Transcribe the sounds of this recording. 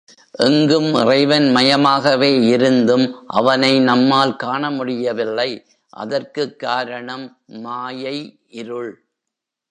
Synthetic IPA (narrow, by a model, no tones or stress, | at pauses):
ʔɛŋɡɯmʔɪ̰rɐɪʋɐnmɐjɐmaːɣɐʋeːɪɾɯnd̪ɯmʔɐ̰ʋɐnɐɪnɐmːaːlkaːɳɐmʊɽɪjɐʋɪlːɐɪ | ʔɐ̰ðɐrkɯkːaːɾɐɳɐmː | aːjɐɪʔɪɾɯɭ